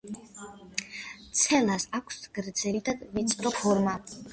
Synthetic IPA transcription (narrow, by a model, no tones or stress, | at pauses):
t̪sʰɛlˠasakʰsɡ̥ɾd̪z̥ɛlid̪avit̪sʼɾɔpʰɔɾma